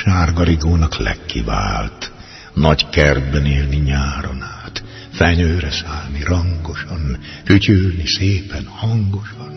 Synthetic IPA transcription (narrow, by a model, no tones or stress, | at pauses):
ʃaːrɡɒɾiɡoːnɒklɛ̰kːḭva̰ːlt̪ | nɒɟkɛrd̪bɛniːlniɲaːɾonaːt̪ | fɛɲøːɾɛsaːlniɾɒŋɡo̞ʃɒnfycylniseːpɛnhɒŋɡo̞ʃɒn